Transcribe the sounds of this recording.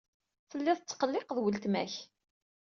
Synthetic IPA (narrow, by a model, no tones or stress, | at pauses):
θəlːɪðˤt͡sːqəlːɪqəðˤwəlt̪mæç